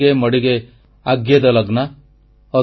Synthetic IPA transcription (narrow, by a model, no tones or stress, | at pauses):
emʌɽiɡe | aɡjed̪ɐlaɡna | ɔ